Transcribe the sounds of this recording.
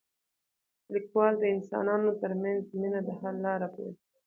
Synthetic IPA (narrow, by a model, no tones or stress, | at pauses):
likwɑld̪əɪnsɑ̰nɑnot̪əɾmanzminad̪əhalːɑɾapḛɾi